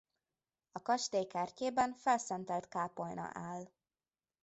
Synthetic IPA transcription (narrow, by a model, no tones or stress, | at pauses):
ɒkɒʃt̪eːjkɛrceːbɛɱfɛlsɛnt̪ɛlt̪kaːpolnɒ̰ʔaːl